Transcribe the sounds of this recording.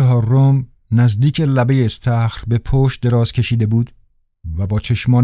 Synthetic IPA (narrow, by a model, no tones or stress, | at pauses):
eɦɒːɾom | næzd̪iːcʰelæbe̞jeːst̪ʰæxɾbe̞pʰoːʃ̚d̪e̞ɾɒːz̥kʲʰe̞ʃiːd̪e̞buːd̪ | væbɒːt͡ʃʰe̞ʃmɒːn